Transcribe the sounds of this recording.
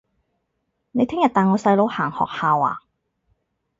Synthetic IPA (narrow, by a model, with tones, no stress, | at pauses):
ne˨˧jt̪ʰɪ˥ŋjɐ˨t̪̚aː˨˩ŋɔː˨˧sɐ˧jlo˨˧whaː˨˩ŋhɔ̰ː˨k̚haː˨˧wa̰ː˨˩